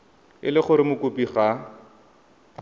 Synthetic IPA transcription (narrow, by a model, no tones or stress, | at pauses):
ɪlɪχʊɾɪmʊkʊpiχa